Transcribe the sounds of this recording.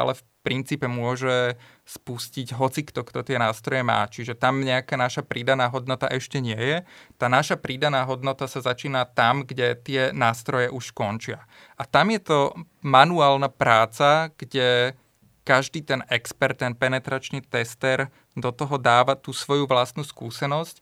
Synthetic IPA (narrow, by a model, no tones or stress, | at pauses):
a̰lɛf | pɾint͡siːpɛmʊɔʒɛ | spusciɟɦɔt͡sikt̪ɔkt̪ɔt̪ɪɛnaːst̪ɾɔjɛma̰ːt͡ʃiʒɛt̪amɲɛakaːnaʃapɾid̪anaːɦɔd̪nɔt̪a̰ʔɛʃcɛɲɪɛjɛt̪aːnaʃapɾid̪anaːɦɔd̪nɔt̪asazat͡ʃiːnat̪amɡɟɛt̪ɪɛnaːst̪ɾɔjɛʔuʃskɔnt͡ʃɪa | ʔat̪amjɛt̪ɔ | manuaːlnapɾaːt͡saɡ̥ɟɛ | kaʒd̪iːt̪ɛnɛkspɛɾt̪ːɛnpɛnɛt̪ɾat͡ʃniːt̪ɛst̪ɛɾ | d̪ɔt̪ɔɦɔd̪aːʋat̪uːsʋɔjuʋlast̪nuskuːsɛnɔsc